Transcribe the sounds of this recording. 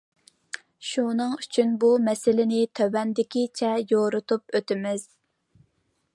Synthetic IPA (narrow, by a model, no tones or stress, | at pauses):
ʃunɨŋyt͡ʃʰynbumɛsɪlɪnɪt̪ʰøwɛnd̪ɪkʲit͡ʃʰɛjoɾʊt̪ʰup̚øt̪ɪmɪz̥